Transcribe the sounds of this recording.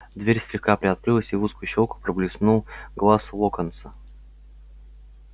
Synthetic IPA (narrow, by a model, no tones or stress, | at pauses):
d̪vʲeɾʲsʲlʲɪxkapɾʲɪɐt̪̚kɾɨlˠəsʲɪvuskʊjʊɕːolˠkʊ̥pɾəblʲɪsnulˠɡlˠaslˠokənt̪sə